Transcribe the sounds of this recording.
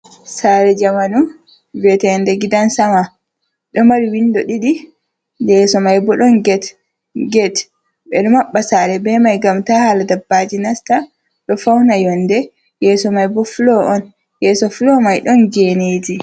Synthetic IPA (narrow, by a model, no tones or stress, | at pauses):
saɾɛd͡ʒamanum | vɛtɛndɛɡidansama | ɗɔmaɾiwindɔɗiɗi | dɛsɔmajbɔɗɔnɡɛt | ɡɛt | ɓɛɗɔmaɓːasaːɾɛbɛmajɡamtahaladabːad͡ʒinasta | ɗɔfawnajɔndɛ | jɛsɔmajbɔfulɔʔɔn | jɛsɔfulɔmajɗɔnd͡ʒɛneːd͡ʒi